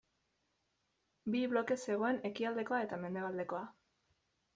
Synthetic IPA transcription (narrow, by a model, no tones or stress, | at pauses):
biβlo̞ke̞se̞ɣ̞o̞e̞ne̞kiald̪e̞ko̞ae̞t̪ame̞nd̪e̞β̞ald̪e̞ko̞a